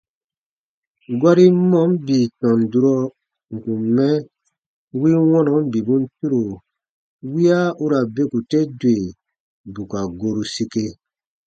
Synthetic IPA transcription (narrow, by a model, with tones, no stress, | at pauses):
ɡwa˦ɾi˦mɔ̃˦m˦bi˨tɔ̃˨n˨du˨ɾɔ˦ | ŋ̩˨kũ˨mɛ˦ | wi˦wɔ̃˦nɔ˨˦m˦bi˨bũ˦n̩˦tu˦ɾo˨ | wi˦a˦u˦ɾa˨be˦ku˨te˦de˨ | bu˨ka˨ɡo˧ɾu˧si˧ke˧